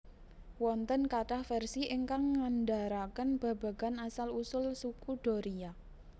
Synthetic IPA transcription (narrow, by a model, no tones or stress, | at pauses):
wɔnt̪ənkaʈahfɛrsiʔəŋkaŋːanɖaɾakənb̥a̤b̥a̤ɡ̥a̤nasalusʊlsukuɖ̥ɔ̤ɾia